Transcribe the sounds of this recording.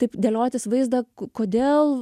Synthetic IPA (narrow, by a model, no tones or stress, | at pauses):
t̪ɐɪpd̪ʲɛlʲoːt̪ʲɪsʋɐɪzd̪ɐkkoːd̪ʲeːlˠ